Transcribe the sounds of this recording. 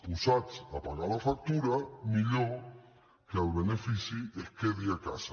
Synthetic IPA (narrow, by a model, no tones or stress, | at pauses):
pusat͡sapaɾalafak̚t̪uɾamiʎo | kealβenefisiehkeðiaka̰sa